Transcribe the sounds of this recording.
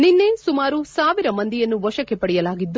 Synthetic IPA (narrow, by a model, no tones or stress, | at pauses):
ninːe̞sumaːɾusaːʋiɾɐmɐnd̪ijɐnːuʋɐʂɐkːepɐɽɛjɐlaːɡid̪ːu